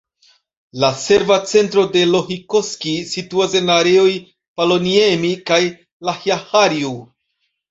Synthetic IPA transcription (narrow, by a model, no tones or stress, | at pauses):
lase̞ɾvat͡se̞ntɾo̞de̞lo̞hikoskisituase̞naɾe̞o̞j | palo̞niemikaj | lahjahaɾiu